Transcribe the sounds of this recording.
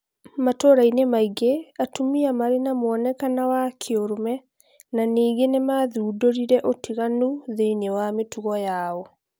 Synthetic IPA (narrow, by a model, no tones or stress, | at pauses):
matoɾainemaiɡeatumiamaɾenamoɔnɛkanawakʰeoɾomɛ | naniːɡenemaðuːdoɾiɾɛʔotʰiɣanuðeinewametuɣɔjaːɔ